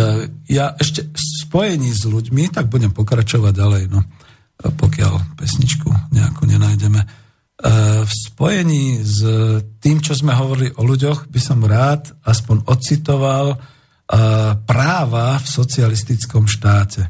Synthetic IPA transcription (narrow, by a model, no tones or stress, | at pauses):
jaʔɛʃcɛspɔjɛɲiːzluɟmit̪aɡ̚buɟɛmpɔkɾat͡ʃɔʋaɟ̚ːalɛjnɔ | pɔkɪa̰lpɛsɲit͡ʃkṵɲɛa̰kʰɔɲɛnajɟɛmɛ | fspɔjɛɲiːzt̪iːmt͡ʃɔzmɛɦɔʋɔɾiliʔɔluɟɔɣbisɔmɾaːt̪aspɔɲɔt̪t͡sit̪ɔʋal | pɾaːʋafsɔt͡sialist̪it͡skɔmʃt̪aːcɛ